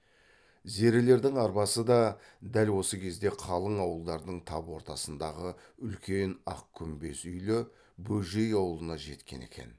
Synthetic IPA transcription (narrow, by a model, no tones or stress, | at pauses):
ze̞ɾɪle̞ɾd̪ɪŋɑɾbɑsəd̪ɑ | d̪ælwo̞səkʲʰe̞zd̪e̞qʰɑlˠəɴɑwəlˠd̪ɑɾd̪əɴt̪ʰɑpwo̞ɾt̪ɑsənd̪ɑʁəʏlkʲe̞nɑ̰qkʲʰʏmbe̞sʏjlɪ | bɵlʒe̞jɑwəlˠənɑʒe̞t̪kʲe̞̰ne̞̰kʲe̞̰n